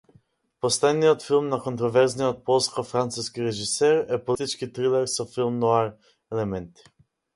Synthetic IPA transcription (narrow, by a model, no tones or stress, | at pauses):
pɔslɛd̪niɔt̪filmnakɔnt̪ɾɔvɛɾznɛɔt̪̚pɔlˠskɔfɾant̪suskʲiɾɛʒisɛɾɛpɔlʲt̪it͡ʃkʲit̪ɾilɛɾsɔfilmnɔaɾ | ɛlɛmɛnt̪i̥